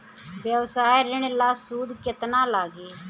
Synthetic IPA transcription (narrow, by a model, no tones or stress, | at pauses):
bjəʋsaːeɾɪɽ̃laːsuːd̪kɪt̪nãːlaːɡeː